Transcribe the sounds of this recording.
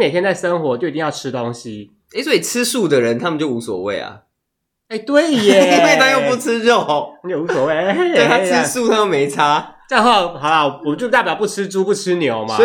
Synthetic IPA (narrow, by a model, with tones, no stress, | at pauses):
me˨˩t̪jnt͡sa˥˩ɪʂə˥ŋxwɔ˧˥t͡ɕo˥˩i˨˧ĩ˧jɑ˥˧˩ʈ͡ʂʰɻ̩˥t̪o˦ŋɕi˨ | e˥˩swɔ˧˥i˨˩t͡sʰɹ̩˦˥su˥˩d̪ə˨˩ɻə˨˦nt̪ʰa˥mə˨t͡ɕjo˥˩ʊu˧˥swɔ̰˨˩wḛ˥˩ɪlɐ̰˨˩ | e˥˩ɪt̪we˥˩ɪɛ˨˥e˥˩t̪a˥ŋjo˥˧pu˥˩t͡s̩ʰ˥ɻo˥˨˧t͡ɕjo˥˩u˧˥s̬wɔ˨˩we˥˩ɪe˥˩˥t̪ʰa˥t͡sʰɻ̩˥su˥˨t̪ʰa˥o˥˩me˧˦ɪt͡sʰa˥t͡ɕŋxwɑ˥˩ʊxɑ˨˩ʊla˨wt͡ɕjo˥˧ʊt̪a˥˩pjɑ˨˦ʊpu˥˩ʈ͡ʂʰɻ̩˥ʈ͡ʂu˥pu˥˩ʈ͡ʂ̩ʰ˦˥njo˨˦ʊma̰˨˥